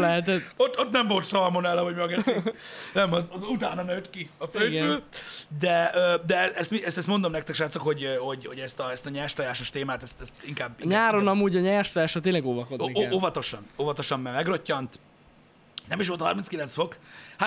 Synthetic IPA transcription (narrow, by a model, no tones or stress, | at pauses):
lɛɦɛt̪̬ɛt̪ot̪ːot̪nɛmvo̞lt̪sɒlmonɛlːɛɦoɟmøɡɛtinɛmɒzɒzut̪aːnɒnøt̪kiɒføjɡbøːld̪ɛøːd̪ɛɛst̪miɛst̪ɛst̪mond̪omnɛk̚t̪ɛkʃaːt̪sokho̞ɟøhoɟho̞ɟɛst̪ɒɛst̪ɒɲɛːrʃt̪ɒjaːʃoʃt̪eːmaːt̪ɛst̪ɛst̪iŋkaːbɲaːɾo̞nɒmuːɟɒɲɛːrʃt̪ɔjaːʃɒt̪eːnlɛɡoːvɒko̞d̪oʔovɒt̪o̞ʃɒnovɒt̪o̞ʃɒmmɛmɛɡrocːɒnt̪ | nɛmiʃ̬ʋolt̪hɒ̰rminskilɛnsfo̞kha